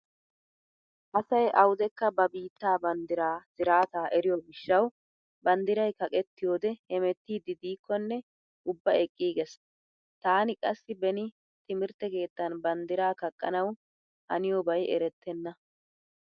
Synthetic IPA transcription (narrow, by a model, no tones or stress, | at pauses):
ʔɐsɐjʔɐwʊd̪ɛkːɐbɐbiːt̪ːaːbɐnd̪ɪɾaːsɪɾaːt̪aːʔɛɾɪjoːɡɪʃːɐw | bɐnd̪ɪɾɐjkɐkʼɛt̪ːɪjoːd̪ɛhɛmɛt̪ːiːd̪ɪd̪iːkʰːɔnːɛ | ʔʊbːɐɛkʼːiːɡɛs | t̪aːnɪkʼɐsːɪbɛnɪ | t̪ɪmɪɾt̪ːɛke̞ːt̪ːɐnbɐnd̪ɪɾaːkɐkʼːɐnɐw | hɐ̰nɪjoːbɐjʔɛ̰ɾɛt̪ːɛnːɐ